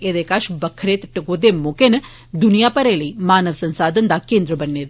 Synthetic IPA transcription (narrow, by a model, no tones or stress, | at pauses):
ed̪eːkaːʃbɐkʰːɐɾeːt̪ʈːɨɡoːd̪eːmoːkeːnɐ | d̪unijaːpɐɾeːɭimaːnɐʋɐsɐnsaːd̪ʱɐnd̪aːkeːnd̪ɾɐbɐnːeːd̪u